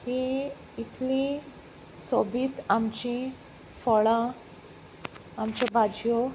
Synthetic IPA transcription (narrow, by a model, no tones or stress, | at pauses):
ɦi | it̪ʰlĩ | sobʱiːt̪amt͡ɕĩ | fɔɭã | amt͡ɕabad͡ʑjo